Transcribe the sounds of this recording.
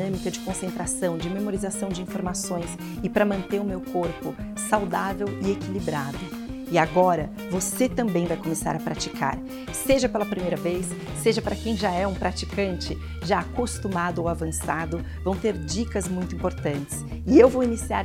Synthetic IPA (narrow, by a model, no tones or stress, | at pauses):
ɐ̃mikɐd͡ʒɪkõsẽnt̪ɾasɐ̃w̃d͡ʒɪmemoɾizasɐ̃w̃d͡ʒɪĩfoɾmasõj̃s | ɪpɾɐmɐ̃nt̪eɾʊmewkoɾpʊ | sawd̪avewɪekilibɾad̪ʊ | ɪaɡɔɾɐ | voset̪ɐ̃mbẽj̃vajkomesa̰ɾɐpɾat͡ʃikʰa̰ɾ | seʒɐpelɐpɾimejɾɐvejsː | eʒɐpɾɐkẽj̃ʒaɛũpɾat͡ʃikɐ̃nt͡ʃɪ | ʒaːkost̪umad̪ʊowavɐ̃sad̪ʊ | vɐ̃w̃t̪eɾd͡ʒikɐzmũj̃t̪ʊĩmpoɾt̪ɐ̃nt͡ʃɪ̥s | ɪewvowinisiaɾ